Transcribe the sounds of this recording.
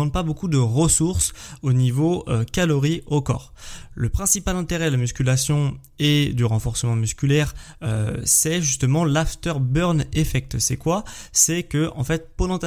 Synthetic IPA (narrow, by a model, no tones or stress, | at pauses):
ɑ̃t̪̚pabokud̪əʁəsuʁsonivoøkʲalɔʁiʔokɔ̰ːʁ | ləpχɛ̃sipalɛ̃t̪eʁɛd̪əlamyskʲylasjɔ̃ | ed̪yʁɑ̃fɔʁsəmɑ̃myskʲylɛʁ | øsɛʒyst̪əmɑ̃laft̪œʁbœʁnefɛk̚t̪sɛkwasɛkəʔɑ̰̃fɛt̪̚pod̪ɑ̃t̪